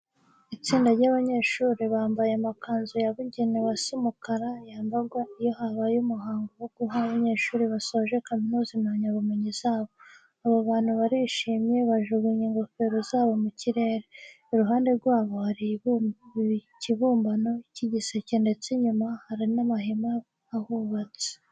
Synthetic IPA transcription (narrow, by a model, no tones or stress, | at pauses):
it͡siːndaɾɟaβaɲe̞ːʃuːɾiβaːmbajemakaːnzujaβuɟenewasimukaɾajaːmbaɡwaijo̞haβajumuɦaːŋɡowoɡ̥uɦaβaɲe̞ːʃuːɾiβasoʒe̞kaminuːzimaɲaβumeɲiz̥aːβo̞ | aβoβaːnhuβaɾiʃiːmɲe̞βaʒuɡiɲiŋɡo̞fe̞ɾozaːβo̞muciɾe̞ːɾeː | ɾuɦaːnde̞ɾɡwaːβo̞haɾi | ciβuːmbano̞iciɟisecende̞t͡seɲumahaɾinamaɦimaː | huβat͡se̥